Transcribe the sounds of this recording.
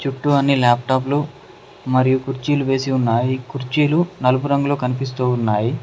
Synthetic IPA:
t͡ʃuʈːuɐnːilaːp̚ʈaːp̬lu | mɐɾijukuɾt͡ʃiːluʋe̞ːsiunːaːjikuɾt͡ʃiːlunɐlupuɾɐŋɡuloːkɐnipis̬t̪uːunːaːji

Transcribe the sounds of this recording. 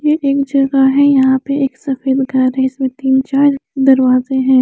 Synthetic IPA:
jeʔeːkd͡ʒɐɡaɦɛjɐɦãpeʔeːksɐfeːd̪ɡʱɐɾɦɛɪsmẽt̪iːnt͡ʃaːɾd̪ɐɾʋaːzeɦɛ̃ː

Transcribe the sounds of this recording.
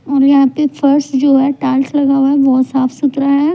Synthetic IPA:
ɔːɾjɐɦãpefʰəɾsʈd͡ʒoːɦɛʈaːlslɐɡaːʋaɦɛʋoɦsaːfsʊt̪ɾaɦɛː

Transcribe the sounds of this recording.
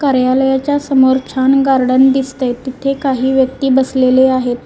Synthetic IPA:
kaɾjaləjat͡ɕjasəmoɾt͡ɕʰanɡaɾɖənd̪ist̪ejt̪it̪ʰekaɦiːʋjək̚t̪iːbəsleleaɦet̪

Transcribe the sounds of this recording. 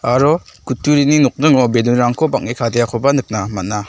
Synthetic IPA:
aɾɔkutːuɾininɔk̚dɯŋɔbenuɾaŋkʰobak̚nikʰadejakʰɔbanɯk̚namat̚na

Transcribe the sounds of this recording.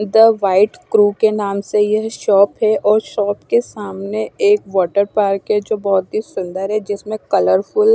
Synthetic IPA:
d̪əʋaːɪʈkɾuːkenaːmsejɐɦʃɔːpɦɛʔɔːɾʃɔːpkesaːmneeːkʋɔːʈəɾpaːɾkɛd͡ʒoːbɔɦʊt̪̚ɦisʊ̃nd̪əɾɦɛd͡ʒɪsmẽkɐləɾfʰʊl

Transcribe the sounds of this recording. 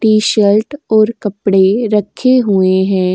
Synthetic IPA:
ʈiːʃɛlʈɔːɾkɐpɽeɾɐkʰeɦueɦɛ̃ː

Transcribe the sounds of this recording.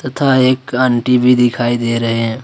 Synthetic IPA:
t̪ɐt̪ʰaeːkə̃ɳʈibʱid̪ɪkʰaːid̪eːɾɐɦeɦɛ̃

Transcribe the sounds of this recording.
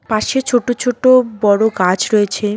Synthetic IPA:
paʃet͡ɕʰoʈot͡ɕʰoʈobɔɽoɡad͡ʑʰɾɔet͡ɕʰe

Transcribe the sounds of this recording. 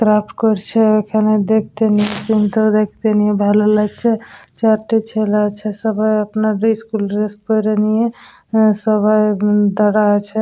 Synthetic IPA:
kɾapʰʈkɔɾt͡ʃʰɛkʰaned̪ek̚ʰt̪enijesint̪əd̪ekʰt̪enijebʱɛlələt͡ʃʰɛt͡ʃaɾʈet͡ʃʰelat͡ʃʰɛsəbʱəjəpnaɾiskulɾespɔɾenije | səbʱəjd̪əɽat͡ʃʰɛ

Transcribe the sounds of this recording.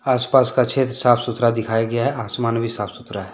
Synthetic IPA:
aːspaːskakt͡ʃʰʃʰeːt̪ɾəsaːpʰsʊt̪ɾad̪ɪkʰaːjaɡɐjaɦɛʔaːsmaːnbʱisaːpʰsʊt̪ɾaɦɛ

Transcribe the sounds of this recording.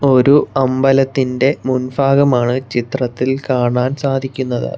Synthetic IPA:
o̞ɾuɐmbɐlɐt̪ːinde̞munbʰʱaːɡɐmaːɳɨt͡ɕit̪rɐt̪ːilkaːɳaːnsaːd̪ʱikʲːunːɐðɨ̰

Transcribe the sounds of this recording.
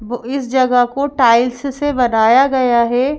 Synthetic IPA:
ʋoɪsd͡ʒɐɡəkoʈaːɪlssebɐnaːjaɡɐjaɦɛː

